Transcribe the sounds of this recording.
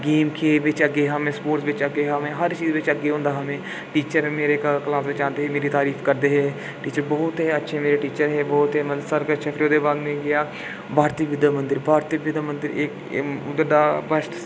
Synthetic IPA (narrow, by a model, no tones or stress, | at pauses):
ɡeːmkʰeːʋɪt͡ʃəɡeːɦamẽːspoːʈsʋɪt͡ʃəɡeːɦamẽːɦəɾt͡ʃiːzʋɪt͡ʃəɡːeːɦʊ̃nd̪aːɦəmẽː | ʈiːt͡ʃəɾmeːɾeːkklaːsd̪eːt͡ʃãːnd̪eːɦeːmeːɾiːt̪aːɾiːfʰkəɾd̪eːɦɛː | ʈiːt͡ʃəɾbɔːt̪ɦeːətːʃʰeːmeːɾeːʈiːt͡ʃəɾɦɛːbɔːt̪ɦeːməsəɾkəʃʰeːfʰɾoːd̪eːbaːd̪mẽːɡɪjaː | bʱaːɾt̪iːʋɪd̪əmə̃nd̪əɾbʱaːɾt̪iʋɪd̪mə̃nd̪ɪɾeːk | ʊd̪əɾd̪aːbəsʈ